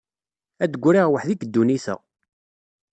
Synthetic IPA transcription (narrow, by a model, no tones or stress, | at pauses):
æd̪ɡʷːɾiʁwəħðikd̪ːuniθæ̰